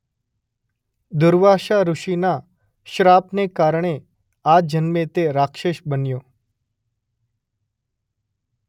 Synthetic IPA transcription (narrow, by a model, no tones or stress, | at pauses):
d̪ʊɾʋaʃaɾʊʃina | ʃɾapnekaɾɳ̃e | ad͡ʒənmet̪eɾakʃeʃbənjo